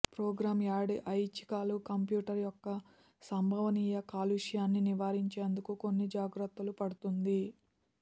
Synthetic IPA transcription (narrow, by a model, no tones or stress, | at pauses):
pɾɔːɡɾaːmjaːɽiʔɐjt͡ʃi̥kaːlukɐmpjuːʈɐɾjɔkːɐ | sɐmbʱɐʋɐniːjɐkaːluːʂjaːnːiniʋaːɾiɲt͡ʃe̞ːnd̪ukuko̞nːid͡ʒaːɡɾɐt̪ːulupɐɽut̪und̪i